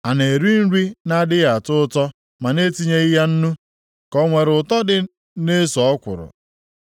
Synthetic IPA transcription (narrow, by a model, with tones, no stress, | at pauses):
a˨ne˨ɾi˦n̩˦ɾi˦na˦dɪ˦ɣa˨a˨tʊ˦tɔ˦ | ma˨ne˦ti˦ɲe˦i˦ɦa˦n̩˦nu˦ | kɔ˦ŋʷe˨ɾʊ˨tɔ˦dɪ˨ | ne˦sɔ˨˦kʷʊ̰˨ɾʊ̰˨